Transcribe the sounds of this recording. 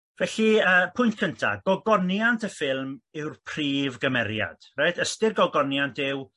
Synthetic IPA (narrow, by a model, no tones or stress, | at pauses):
vɛɬiəːpʰʊjntkʰəntʰa̰ɡ̥ɔɡɔnjantʰəfɪlˠmɪwrpʰriːvɡəmɛɾja̰d̥rajtʰəstɪrɡɔɡɔnjantʰɪw